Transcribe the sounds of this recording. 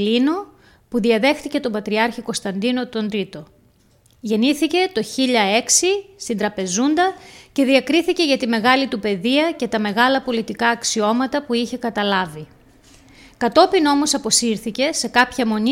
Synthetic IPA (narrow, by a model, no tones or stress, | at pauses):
lino̞ | puðiɐðe̞xt̪ice̞t̪o̞bɐt̪ɾiɐɾçiko̞st̪ɐnd̪ino̞t̪o̞nd̪ɾit̪o̞ | ʝe̞niθice̞t̪o̞çiʎɐe̞ksist̪ind̪ɾɐpe̞zund̪ɐce̞ðiɐkɾiθice̞ʝɐt̪ime̞ɣɐlit̪upe̞ðiɐce̞t̪ɐme̞ɣɐlɐpo̞lit̪ikɐːksio̞mɐt̪ɐpuiçe̞kɐt̪ɐlɐvi | kɐt̪o̞pino̞mo̞sɐpo̞siɾθice̞se̞kɐpçɐmo̞ni